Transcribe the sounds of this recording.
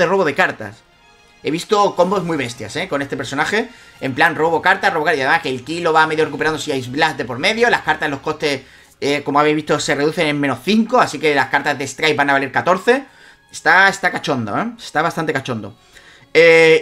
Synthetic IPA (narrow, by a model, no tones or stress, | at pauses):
ðero̞βo̞ð̞e̞kaɾt̪a̰s | e̞β̞ist̪o̞ko̞mbo̞zmwiβe̞st̪ja̰se̞ko̞ne̞st̪e̞peɾso̞naxe̞ | emplanro̞β̞o̞kaɾt̪asro̞βkaɾiaðemaskelkilo̞βame̞ðjo̞rek̬upeɾand̪osiajzβlazd̪e̞po̞ɾme̞ðjo̞laskaɾt̪aslo̞shko̞st̪e̞s | eko̞moaβeβist̪o̞se̞re̞ðuθe̞nẽ̞mmẽ̞nosθiŋko̞asike̞laskaɾt̪azðest̪ɾaj̚banaβaliɾkat̪o̞ɾθe̞ | est̪aest̪akat͡ʃo̞nd̪o̰eest̪aβast̪ant̪ekat͡ʃo̞nd̪o̞̰ | e